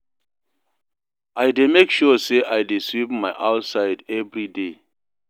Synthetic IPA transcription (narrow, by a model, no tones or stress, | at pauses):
ʔajdemekʃuseʔajdesɹipmajʔawtsajdɛvɹide